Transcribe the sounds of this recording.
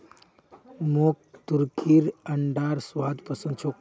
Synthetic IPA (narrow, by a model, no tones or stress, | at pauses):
mok̚t̪uɾkiɾɐɳɖaːɾsʋaːd̪pəsənt͡ʃʰo